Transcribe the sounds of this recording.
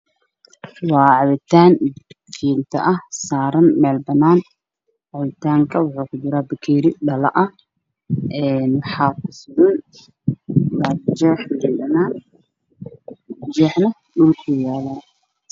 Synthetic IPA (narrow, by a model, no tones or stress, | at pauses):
wɑːʕɑβɪt̪ʰaːnkʰiːnt̪ʰɐ̰ʔɐhsaːɾɐnmɛːlbɐnːaːn | ʕɑβɪt̪ʰaːŋkʰɐwʊħuːkʰʊd͡ʒɪɾaːbɪkʰiːɾɪɗɐlɐ̰ʔɐh | ɛːnwɑħaːkʊsʊɾɐn | lad͡ʒɛːħmɛːlbɐnaːn | d͡ʒɛːħnɐ | ɗʊlkʰʊjaːlaː